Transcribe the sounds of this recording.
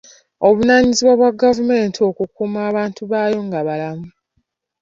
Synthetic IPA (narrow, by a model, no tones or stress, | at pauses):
o̞βunaːɲiziβwaβwaɡavume̞ːntʰio̞kukumaːβaːntuβaːjo̞ŋɡaβalamu